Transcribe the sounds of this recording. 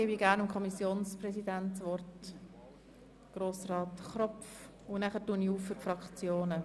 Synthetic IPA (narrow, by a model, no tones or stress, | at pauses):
ɪbiɡæːɾnʊmkʰɔmisjoːnspɾɛsidænt̪sʋɔrt | ɡ̥ɾoːsrɑːt̪χɾɔpf | ʊnæχəɾtuːniuːfːʏɾfɾɑkt͡sjoːnə